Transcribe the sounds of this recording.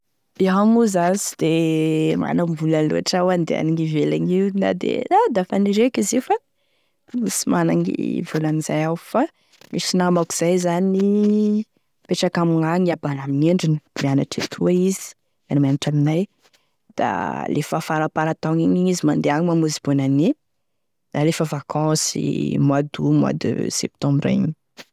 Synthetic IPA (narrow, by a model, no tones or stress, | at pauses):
iɦamuzazi̥d̪̥ema̰namvulanlṵaʈ͡ʂawand̪ḛa̰niŋivelaɲiuna̰d̪ḛad̪afaniɾekizifa | misimana̰ŋḭvulaniz̥ajawfa | misinamaku̥z̥ajzanini | peʈ͡ʂakamiŋaŋiabanamineɳɖ͡ʐinibleanaʈ͡ʂet̪ʰuaizi̥ | animanaʈ͡ʂaminaj | d̪̥a̰lʔefafaɾapaɾat̪aŋiɲiizimand̪eaŋmamuzibonani | d̪alefəvakʰɑ̃sḭmwad̪umwa̰d̪ṵsɛ̰p̚t̪ɔ̃mbɾa̰ɲ